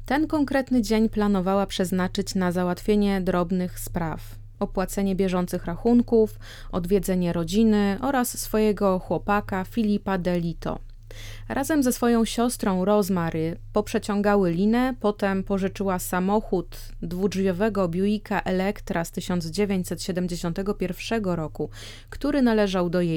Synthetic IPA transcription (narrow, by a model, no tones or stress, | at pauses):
t̪ɛnkɔŋkɾɛt̪nɘd͡ʑeɲplanɔvawapʂɛznat͡ʂɘt͡ɕnazawat̪fʲjeɲɛd̪ɾɔbnɘxspɾaf | ɔpwat̪sɛɲɛbʲjɛʐɔnt̪sɘxɾaxuŋkuf | ɔd̪vʲjɛd̪zɛɲɛɾɔd͡ʑinɘʔɔɾasːfɔjɛɡɔxwɔpakafʲilʲipad̪ɛlʲit̪ɔ̰ | ɾʔazɛmzɛsfɔjɔ̃w̃ɕɔst̪ɾɔ̃w̃ɾɔzmaɾɘpɔpʂɛt͡ɕɔŋɡawɘlʲinɛpɔt̪ɛmpɔʐɘt͡ʂɘwasamɔxud̪ː | vuʐvʲjɔvɛɡɔbʲjujikaʔɛlɛkt̪ɾast̪ɘɕɔnd̪zd͡ʑevʲjeɲt͡ɕʲsɛt̪ɕɛd̪ɛmd͡ʑeɕɔ̃nt̪ɛɡɔpʲjɛɾfʂɛɡɔɾɔku | kt̪uɾɘnalɛʐawd̪ɔje